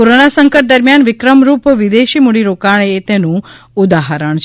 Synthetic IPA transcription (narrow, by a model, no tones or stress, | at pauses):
koɾonasəŋkəʈ̚d̪əɾmjanʋɪkɾəmɾupʋid̪eʃimuɽiɾokaɳ̃et̪enũ | ud̪aɦəɾəɳ̃t͡ʃʰ